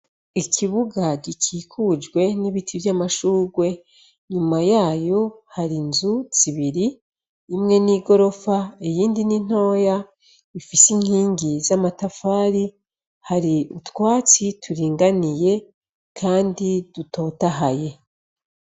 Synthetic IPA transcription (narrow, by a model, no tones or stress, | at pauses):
icʰiβuɡaɟicʰiːkʰud͡ʒɡwe̞niβitʰivjamaʃuːɡwe̞ | ɲumajaːjo̞haɾinzuz̥iβiɾiː | mŋe̞niːɡo̞ɾo̞faejiːndinin̥o̞ːja | ifisiŋ̥hiːŋɡizamatafaːɾi | haɾiutkwaːt͡sitʰuɾiːŋɡanije̞ | kʰaːndid̥uto̞ːtaɦaje̞